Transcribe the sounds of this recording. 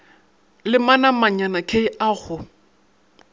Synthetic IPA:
lɪmanamaɲanakʰeiʔaɣʊ

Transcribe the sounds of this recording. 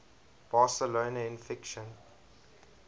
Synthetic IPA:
b̥aːsəloːnaɪ̃nfɪkʃə̃n

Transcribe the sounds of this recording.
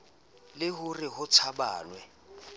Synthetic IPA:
lɪhʊrɪhʊt͡sʰaba̰ːnwɛ

